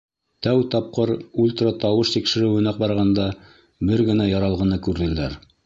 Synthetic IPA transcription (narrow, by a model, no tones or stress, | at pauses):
t̪æwt̪ɑp̚qɤɾulʲt̪rɑt̪ɑwɤʃt̪ikʃɘ̆ɾɘwɘ̆næq̚bɑɾʁɑnd̪ɑ | bɘɾɡɘ̆næjɑɾɑlˠʁɤ̆nɤkʉɾðɘ̆læɾ